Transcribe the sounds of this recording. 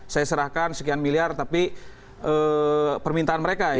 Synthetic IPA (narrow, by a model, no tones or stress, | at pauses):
sajasəɾahkansəkianmiliart̪api | ʔəpərmint̪aanməɾeka